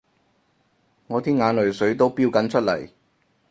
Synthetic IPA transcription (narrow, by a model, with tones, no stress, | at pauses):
ŋɔː˨˧t̪ʰiː˥nŋaː˨˧nlɵ˨˩ɥsɵ˨˥ɥt̪o˥wpiː˥˧wkɐ˨˥nt͡ʃʰɵ˥t̚lɐ̰˨˩j